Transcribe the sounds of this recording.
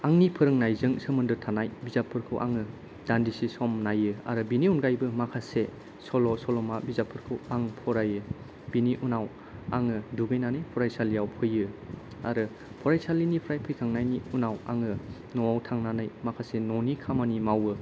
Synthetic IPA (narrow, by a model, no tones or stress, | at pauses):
aŋnipʰɯɾɯŋnajzɯŋsɯmɯndɯɾtʰanajbizapʰːɯɾkʰɯwʔa̰ŋɯ | d̥andisisɔmnajɯa̰ɾɯbiniunɡajbɯmakʰase | sɔlɔsɔlɔmabizapʰːɯɾkʰɯwaŋpʰɔɾajɯ | b̥iniʔunaw | a̰ŋɯduɡɯjnanajpʰɔɾajsalijawpʰɯjɯ | aɾɯ | pʰɔɾajsalːinipʰɔɾajpʰɯjkʰaŋnajniunawa̰ŋɯ | nɔwawtʰaŋnanajmakʰasenɔnikʰamanimawɯ